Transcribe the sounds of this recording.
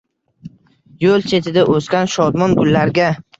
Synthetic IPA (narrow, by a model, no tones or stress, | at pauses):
jolt͡ʃʰe̞t̪ʰɪd̪aʔoskʲanʃɒd̪mɒnbʊlːaɾɡʲa